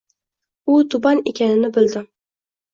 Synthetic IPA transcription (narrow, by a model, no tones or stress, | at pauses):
ʊt̪ʰʊbɑnḛkʲʰanɪnɪbɪld̪ɪ